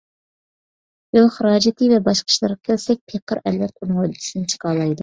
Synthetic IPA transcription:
jolˠχəɾɑːd͡ʒɪt̪ʰɨvɛbɑʃqʰə̥ʃlˠɑɾʁɑkʲʰɛlsɛk̚ʲpʰeqʰəɾɛlvɛt̪unʁolɪt̪ʰi̥snɪt͡ʃʰə̥qʰɑːlˠɑjd̪u

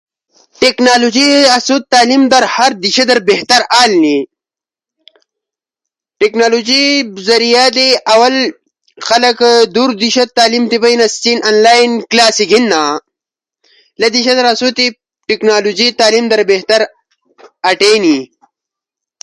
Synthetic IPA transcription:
ʈeknaːlod͡ʑiɐsut̪̚t̪ːaːlimd̪ɐɾhɐɾd̪iɕɐd̪ɐɾbeht̪ɐɾaːlni | ʈeknaːlod͡ʑibzɐɾijaːd̪eʔɐwɐl | xɐlɐkd̪uɾd̪iɕɐt̪ːaːlimt̪ipɐjnɐstinanlaːinklaːsiɡinːaː | lɐd̪iɕɐd̪ɐɾɐsut̪i | ʈiknaːlud͡ʑit̪aːlimd̪ɐɾbeht̪ɐɾ | ɐʈeːni

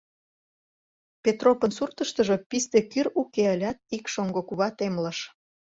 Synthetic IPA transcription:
pʲet̪ropənsurt̪əʃt̪ə̆ʒə̽pist̪ekyɾukeəlʲɑt̪̚ikʃoŋɡokuβɑt̪emləʃ

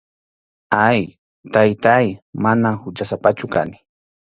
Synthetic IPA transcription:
aj | t̪ajt̪ajmanahʊt͡ʃasapat͡ʃʊka̰nɪ̥

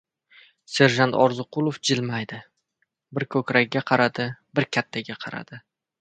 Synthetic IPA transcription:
se̞ɾʒant̪ɒɾzɨqʊlˠofd͡ʒɪlmajd̪ɪ | bɪɾkʰɵkʲɾaɡʲɡʲaqʰɑɾad̪ɪbɪɾkʲʰat̪ʰːaɡʲaqʰɑɾa̰d̪̥ɪ

